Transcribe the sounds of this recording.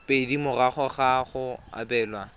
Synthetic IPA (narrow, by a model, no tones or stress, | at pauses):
pʼedimʊraχɔχaχʊa̰bɛːlwa